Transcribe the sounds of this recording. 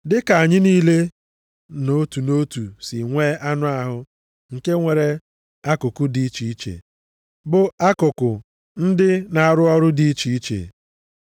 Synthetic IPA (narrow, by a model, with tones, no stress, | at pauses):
dɪ˦ka˨a˨ɲɪ˦niː˦le˦ | no˦tu˨no˦tu˨sɪ˨ŋʷeː˦ʔa˦nʊ˦a˦ɦʊ˦ | ŋ̩˨ke˦ŋʷe˨ɾe˦ | a˦kʊ˨kʊ˦di˦i˦t͡ʃi˨i˦t͡ʃḛ˨ | bʊ˨a˦kʊ˨kʊ˨ | n̩˦dɪ˦na˨a˨ɾʊ˦ɔ˦ɾʊ˦di˦i˦t͡ʃi˨i˦t͡ʃḛ˨